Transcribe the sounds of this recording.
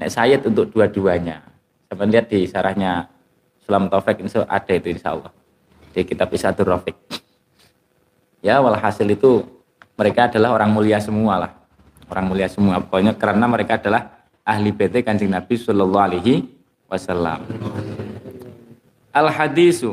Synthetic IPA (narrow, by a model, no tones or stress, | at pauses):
nɛ̰ʔsajɪt̪unt̪ʊk̚d̥uad̥uaɲa | sampɛnliɦat̪̚d̥isaɾahɲa | sulamt̪ɔfɪk̚insoʔa̰d̥a̤it̪uinʃa̰ʔɔ̰lˠːɔ̰h | d̥akit̪ab̚isad̪ʊrɔfɪk̚ | jawalɦasɪlit̪u | məɾekaːda̤lahoɾaŋmuliasəmuala̰h | oɾaŋmuliasəmuabaɲɔʔkəɾanaməɾekaːdalah | ʔaɦlib̥et̪ekaɲd͡ʒɪŋnab̥isɑlɔlːɔaleɦi | wʔasalːa̰m | ʔalhad̪isu